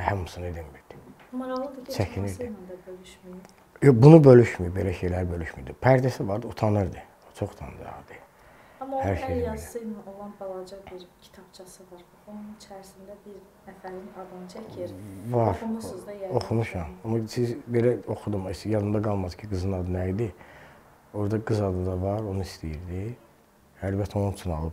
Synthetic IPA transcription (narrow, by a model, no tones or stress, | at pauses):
hæmːusɯned̪inmiɾd̪̥i̥ | mɑɾɑɣlˠd̪t͡ʃʰæcʰinɾd̪innd̪abølyʃmii | jobunubø̞lyʃmyjibe̞læʃe̞jlæɾbø̞lyʃmy̰ɾd̪ipʰæɾd̪æsivɑɾd̪ɯut̪ʰɑnɯɾd̪ɯ | t͡ʃʰo̞χu̥t̪ʰɑ̰nd̪ɯɑ̰d̪ɯ | ɑmɑhæɾʃejjɑd̪iɯnɯnolˠɑnbɑlˠɑd͡ʒɑbiɾcʰi̥t̪ʰɑb̥t͡ʃʰɑsɯvɑɾ | onunt͡ʃʰææɾisind̪æbiɾnæfælinɑd̪ɯnt͡ʃʰæcʰiɾbɑʃmzo̞xumuʃɑmɑmːɑsizbelæo̞xud̪umisjɑd̪ɯmd̪ɑɡɑlˠmɑd̪ɯ̥cʰiɡɯzɯnɑd̪ɯnæjid̪i | o̞ɾd̪ɑɡɯzɑd̪ɯd̪ɑvɑɾo̞nuist̪ijiɾd̪i | ælbæt̪ʰːæo̞nut͡ʃʰunɑ̰lˠɯb